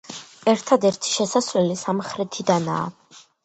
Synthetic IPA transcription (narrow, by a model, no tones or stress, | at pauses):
ɛɾt̪ʰad̪ɛɾt̪ʰi̥ʃɛsasvlɛlisamχɾɛt̪ʰid̪ana̰ː